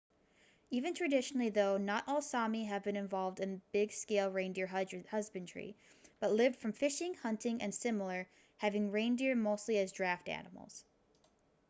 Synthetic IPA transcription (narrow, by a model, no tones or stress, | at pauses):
ivɨ̃ntʰɹ̥ɨdɪʃnl̩ˠiðoʊnəɾʔɔlˠsɑmiɨvbɨ̃ñɨ̃ɱvɑlˠvdɨ̃nəbɪɡskeɪlˠɹẽɪ̃ndɪɹhʌzbɨ̃ndɹḭ | b̥ʌtˡlɪvd̥fɹʌ̃ɱfɪʃɪ̃ŋhʌ̃ntɪ̃ŋʔɨ̰̃nsɪ̃ml̩ˠə˞ | hævɪ̃ŋɹẽɪ̃ndɪɹ̚moʊstˡliɨzdɹæftæ̰nəml̩ˠz̥